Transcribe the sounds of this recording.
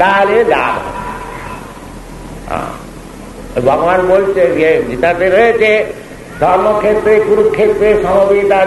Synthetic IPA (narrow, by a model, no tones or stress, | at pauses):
t̪aled̪a̰ːbɔ̰ | ɦã̰ | bʱaɡanbolt͡ʃejed͡ʒit̪at̪eɾəɦet͡ʃʰe | d̪ʱɔɾmɔkʰet̪ɾekuɾukʰet̪ɾesəmɔbit̪a